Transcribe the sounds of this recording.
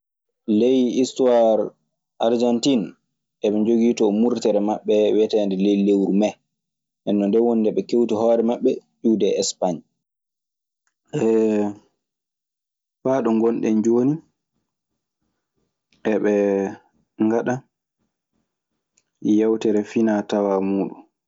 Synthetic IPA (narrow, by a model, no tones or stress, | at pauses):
lejistuwaɾ | ʔaɾd͡ʒantin | ʔɛɓɛɲd͡ʒoɡiːtɔmuɾtɛɾɛmaɓːɛwɛtɛndɛlejlewɾumɛ | ʔɛnːɔndɛwonidɛɓɛkewtiɦɔːɾɛmaɓːɛd͡ʒuːdɛɛspaɲ | ʔɛ | faːɗɔŋɡɔnɗɛnd͡ʒoːni | ʔɛɓɛ | ŋɡaɗa | jawtɛɾɛfinatawamuːɗun